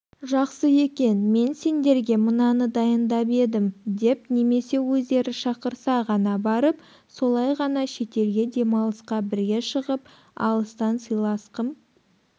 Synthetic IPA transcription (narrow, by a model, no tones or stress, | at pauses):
ʒɑqsəje̞kʲe̞nme̞nse̞nd̪e̞ɾɡʲe̞mənɑnəd̪ɑjənd̪ɑpe̞d̪ɪmd̪e̞p̚ne̞me̞se̞wɵzd̪e̞ɾɪʃɑqəɾsɑʁɑnɑbɑɾəp | so̞lˠɑjʁɑnɑʃe̞t̪e̞lɡʲe̞d̪e̞mɑlˠəsqɑbɪɾɡʲe̞ʃəʁəp | ɑ̰lˠəst̪ɑnsəjlˠɑsqəm